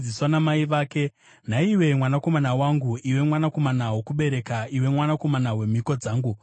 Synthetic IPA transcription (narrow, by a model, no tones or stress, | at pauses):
iswanamaiʋaːke̞ | n̤aiwe̞mwanako̞manawaŋɡuiwe̞mwanako̞manawokuɓe̞ɾe̞kaiwe̞mwanako̞manawe̞m̤iko̞d͡zaːŋɡu